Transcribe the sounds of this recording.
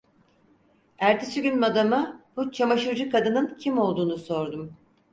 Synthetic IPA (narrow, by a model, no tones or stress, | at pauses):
æɾt̪ʰisyɟʲynmad̪amabut͡ʃʰamaʃɯɾd͡ʒɯkʰad̪ɯnɯncʰimo̞lˠd̪uːnuso̞ɾd̪um